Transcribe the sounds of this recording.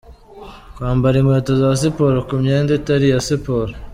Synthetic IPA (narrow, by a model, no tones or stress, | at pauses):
kwaːmbaɾimweːtozas̬ipoːɾokumɲeːnditaɾijasipoɾ